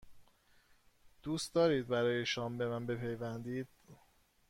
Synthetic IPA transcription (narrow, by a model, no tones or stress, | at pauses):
d̪̥uːst̪d̪ɒːɾiːd̪̚bæɾɒːje̞ʃɒːmbe̞mænbe̞pʰe̞jvænd̪iːd̪̥